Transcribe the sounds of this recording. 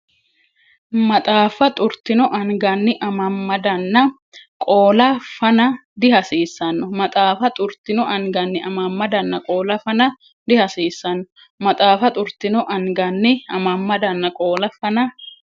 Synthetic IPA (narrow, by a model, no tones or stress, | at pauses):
mɐt̪ʼaːfɐt̪ʼʊɾt̪ɪnɔʔɐŋɡɐnːɪʔɐmɐmːɐd̪ɐnːɐ | kʼoːlɐfɐnɐd̪ɪhɐsiːsːɐnːɔmɐt̪ʼaːfɐt̪ʼʊɾt̪ɪnɔʔɐŋɡɐnːɪʔɐmɐmːɐd̪ɐnːɐkʼo̞ːlɐfɐnɐ | d̪ɪhɐsiːsːɐnːɔ | mɐt̪ʼaːfɐt̪ʼʊɾt̪ɪnɔʔɐŋɡɐnːɪɐmɐmːɐd̪ɐnːɐkʼo̞ːlɐfɐnɐ